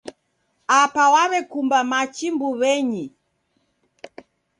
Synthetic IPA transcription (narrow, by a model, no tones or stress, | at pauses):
apawaβɛkumbamat͡ʃimbuβɛɲi